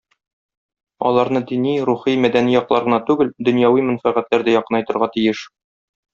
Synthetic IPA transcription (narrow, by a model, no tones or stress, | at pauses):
ɒ̰lˠɑɾnɤd̪iniɾuχimæd̪ænijɒqlˠɑɾʁɤ̆nɑt̪ʉɡɘld̪ɵ̆njɑwimæ̆nfæʁæt̪læɾd̪æjɒqɤnɒjt̪ɤ̆ɾʁɑt̪ijɘʃ